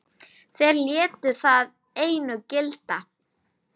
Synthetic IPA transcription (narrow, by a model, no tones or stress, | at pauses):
θejɾljɛːt̪ʏθað | eːjnʏcɪlt̪a